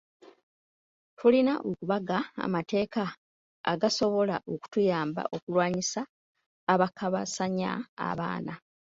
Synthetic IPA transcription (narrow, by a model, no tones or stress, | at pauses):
tʰulinaʔokuβaɡaa̰mate̞ːka̰ː | ɡaso̞βo̞laʔo̞ku̥tujaːmba̰ʔo̞kulwaːɲisaː | βakaβasaɲa̰a̰βa̰ːna